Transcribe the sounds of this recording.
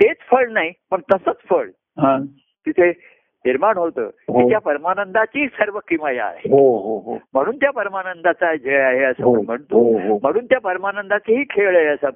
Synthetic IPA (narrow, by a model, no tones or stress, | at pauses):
t̪et͡sfəɭnaipəɳt̪əsət͡sfəɭ | ɦa | t̪it̪ʰe | niɾmanɦot̪ə̰ːkit̪japəɾmanənd̪at͡ɕiːsəɾʋəkimaja̰ɦḛɦoɦoɦom̤əɽ̃uːnt̪japəɾmanənd̪at͡sad͡ʑʱeaɦeəsəːməɳm̤əɳt̪oɦom̤əɽ̃uːnt̪japəɾmanənd̪at͡seɦiːkʰeʋɭaɦəsə